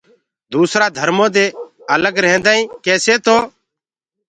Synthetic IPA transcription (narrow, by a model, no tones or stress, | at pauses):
d̪uːsɾaːd̪ʱəɾmõːd̪eːələɡɾɛ̃ːnd̪aːĩːkɛːseːt̪oː